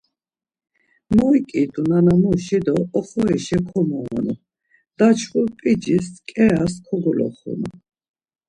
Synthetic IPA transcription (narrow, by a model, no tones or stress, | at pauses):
mɔikʼid̪unanamuʃid̪ɔːχɔɛʃɛkʰɔmɔɔ̰nu | d̪̥at͡ʃʰχuɾpʼid͡ʒiskʼɛaskʰɔɡulɔ̰χṵnu